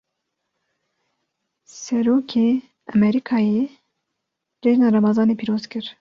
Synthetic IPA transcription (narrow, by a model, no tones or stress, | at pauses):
sɛɾoːkʰeː | ɛmɛɾikʰɑːjeː | reːʒnɑɾɑmɑzɑːnepʰiːɾoːzkɨɾ